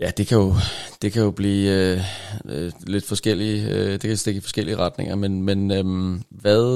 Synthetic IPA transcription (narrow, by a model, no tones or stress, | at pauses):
jæd̥e̝kʰæjo̝d̥e̝kʰæjo̝b̥liː | øle̝d̥fɒ̽sɡ̥el̰id̥e̝kʰæisd̥e̝ɡ̥ifɒ̽sɡ̥el̰iəʁɑ̈d̥ne̝ŋ̰ɐmenmenømʋæðˠ